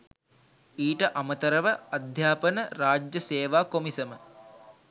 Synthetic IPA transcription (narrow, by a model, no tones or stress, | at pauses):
iːʈəʔamət̪əɾəʋəad̪ʱjaːpənəɾaːd͡ʒjɐseːʋaːkomisəmə